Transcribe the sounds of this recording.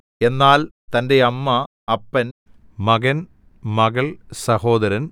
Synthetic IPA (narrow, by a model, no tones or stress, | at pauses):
e̞nːaːlt̪ɐnde̞ɐmːɐ | ɐpːɐn | mɐɡɐn | mɐɣɐɭsɐho̞ːd̪ɐɾɐn